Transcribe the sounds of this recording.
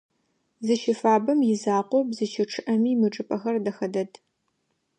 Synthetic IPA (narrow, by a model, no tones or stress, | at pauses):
zɨʃɪfaːbɐmjɪzaːqʷɔbzɨʃʰɪʈ͡ʂʰɨʔɐmiːmɨʈ͡ʂʼɨpʼɐxɐrdɐxɐdɐdʰ